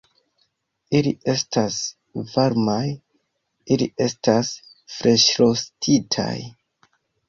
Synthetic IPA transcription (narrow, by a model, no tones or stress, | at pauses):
iliʔe̞stas | vaɾmaj | iliʔe̞stas | fɾe̞ʃɾo̞stʰitʰa̰j